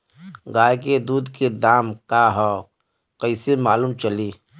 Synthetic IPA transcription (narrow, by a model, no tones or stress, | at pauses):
ɡaːjked̪uːd̪ked̪aːmkaɦɔː | kəɪsemaːluːmt͡ʃəliː